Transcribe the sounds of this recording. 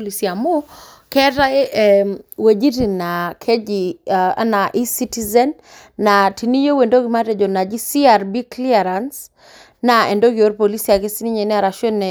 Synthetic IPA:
li˨si˨a˨mo˦ | kɛ˦ta˦e | we˨d͡ʒi˦ɾi˨nakʰe˦d͡ʒia̰na˨ʔi˦si˦tizɛnː | a˨ti˨ni˦jo˦we˨ndo˦ɡi˨ma˦tɛ˨d͡ʒɔ˨na˨d͡ʒi˦si˦aɾbi˦kli˦aɾans | nae˨ndo˦ɡi˨o˦ɾpo˨li˦si˦a˨ke˦si˦ni˦ɲɛ˨ni˦a˨ɾa˨ʃɔ˦nɛ

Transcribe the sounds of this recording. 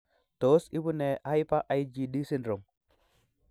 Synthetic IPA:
to˨˦si˦bu˦ne˨a˦jpa˦ʔa˨i˦d͡ʒi˨ɗi˦si˦nɾo˨m

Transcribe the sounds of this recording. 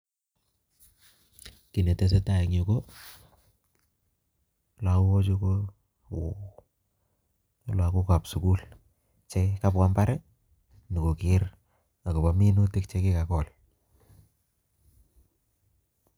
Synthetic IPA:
ki˨ne˨te˦s̬e˦ta˨i˨ŋo˨ko˦ | la˨˦wo˦t͡ʃu˦ko˦˨ | lwa˨ko˦ka˨psu˨ku˦l | t͡ʃe˦ka˦pwa˦mba˦ɾe˦ | ni˨ko˨ki˦ɾ | a˨ko˨pa˨mi˦nu˦ti˦kt͡ʃe˦ki˦ka˨kɔ˨l

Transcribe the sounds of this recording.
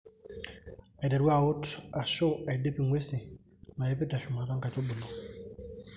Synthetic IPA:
a˨dɛ˨ɾwa˦˨ʊ˦ta˨ʃo˦a˨de˦pi˨ŋwe˦si˨ | na˨je˦pe˦ta˨ʃʊ˨ma˨ɾa˦ŋka˨to˦bʊ˨lo˨

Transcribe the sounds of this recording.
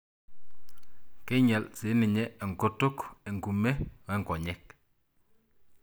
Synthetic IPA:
ke˦ɲɛ˨lsi˨˦ni˨ɲɛ˦e˨ŋ˨ko˦to˦ke˨ŋku˨me˦we˦ŋkɔ˨ɲɛ˦k

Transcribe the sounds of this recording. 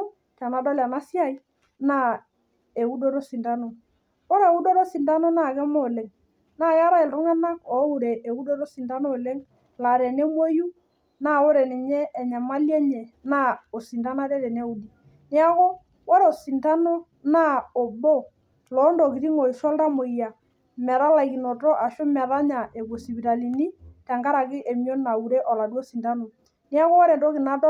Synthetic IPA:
ta˨na˨dɔ˦la˨na˦si˦a˦i˦ | na˦ | e˨u˦do˦ɾo˦si˨nda˦no˨ | wo˦ɾe˨u˦do˦ɾo˦si˨nda˦no˦na˦˨kɛ˦mo˦˨le˨ŋ | na˦˨ka˦ɾa˦ɪ˨ltɔ˦ŋɛ˦na˦kɔ˨˦u˨ɾe˨e˨u˦do˦ɾo˦si˨nda˦no˦˨le˦ŋ | la˨ɾɛ˨ne˦mo˦ju˦ | na˦˨o˦ɾɛ˨nɪ˨ɲɛː˦˨ɲa˨ma˦ljɛ˦ɲɛ˨na˦o˨si˨nta˦na˦ɾɛ˦ɾɛ˨nɛ˦u˨di˨ | nɪ˦a˦ko˦ | wɔ˦ɾo˨si˨nta˦nɔ˦ | na˦o˨bɔ˦ | lɔ˨˦ndo˨ki˨ɾi˦ŋo˨i˨sɔ˦lda˦mo˨i˨ja˨ | mɛ˨ða˦la˨ki˨nɔ˨tɔ˦ʔa˨ʃo˦mɛ˨ða˦ɲa˨ʔe˨ko˨si˨bi˨ɾa˨li˨ni˦ta˨ŋɡa˦ɾa˨kɪ˦ʔe˨mjo˦na˨u˨ɾɛ˦ʔɔ˨la˨dɔ˦si˨nda˦no˨ | nɪ˦a˦ko˦wɔ˦ɾɛ˨do˦kɪ˨na˨˦dɔ˦

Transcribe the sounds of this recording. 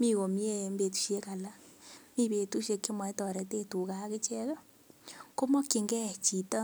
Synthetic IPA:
mi˦ko˨m˦e˦˨mbe˨tu̥˨ʃe˦ka˨la˦mi˦pe˨tu˦ʃje˨˧kːi˦ma˨i˦tɔ˨ɾɛ˨te˦tu˨ka˦kɪ˦t͡ʃɛ˦ka˦ | ko˦mɔ˦kːi˨ŋɡɛ˦˨t͡ʃi˨tɔ˦

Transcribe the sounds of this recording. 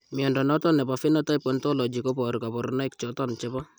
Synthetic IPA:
mɪ˨ɔ˨ndɔ˨nɔ˦tɔ˦nɛ˨pa˨fi˦nɔ˦tɔ˦i˦pɔ˨ntɔ˦lɔ˨d͡ʒi˨ko˦pɔ˨ɾka˨pɔ˨ɾna˦ɪ˦kt͡ʃɔ˦tɔ˦nt͡ʃɛ˦bɔ˦

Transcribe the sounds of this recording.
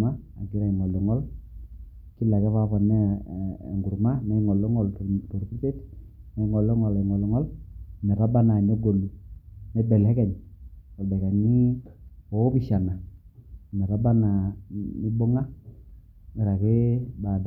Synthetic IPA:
ma˦ | a̰˨ɡɪ˦ɾa˨ɪ˨ŋɔ˨lɔ˨ŋɔ˦l | kɪ˦la˨kɛ˦pa˦pɔ˨nːɛ̰˦˨ | ŋɡu˨ɾma˦ma˦i˦ŋɔ˨lɔ˦ŋɔ˨lttɔ˨ɾki˦te˦t | ma˦ɪ˦ŋɔ˨lɔ˦ŋɔ˨lɛ˨ŋɔ˨lɔ˨ŋɔ˦lnɛ˨pa˦ba˦na˨nɛ˦ɡo˨lu˨nɛ˦bɛ˨lɛ˦kɛ˨ɲɔ˨bɛ˨ka˨ɲi˦ɔ˨˦pi˨ʃa˨na˨ | mɛ˨pa˦ba˦na˨mi˦bo˦ŋa˦ | ɪ˨ɾa˨kɪ˦ba˨d

